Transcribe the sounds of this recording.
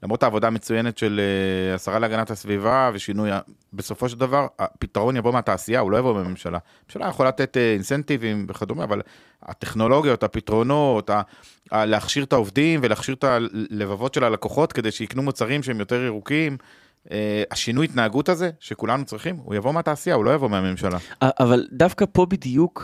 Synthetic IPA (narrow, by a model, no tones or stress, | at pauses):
lamʁot̪aːvo̞d̪ame̞t͡sujene̞t̪ʃe̞leasaʁaleaɡanathasvivave̞ʃinujabe̞so̞fo̞ʃ̬eld̪avaʁapit̪aʁo̞njavo̞meataːsijahulo̞javo̞bemme̞mʃala̰memʃala̰jeχolalat̪e̞t̪einsent̪ivimveχad̪omea̰val | a̰t̪e̞χno̞lo̞ɡijo̞t̪apitʁo̞no̞t̪a | aleaχʃiʁt̪aovdimveleaχʃiʁt̪ale̞vavo̞tʃe̞lalako̞χo̞t̪ke̞dejʃeiknumot͡saʁimʃeemjo̞te̞ʁiʁukim | eaʃinujit̪naːɡutaze̞ʃekulanut͡sʁiχimhṵjavo̞meataːsijaulo̞javo̞meame̞mʃalaaʔavald̪afkapo̞bid̪juk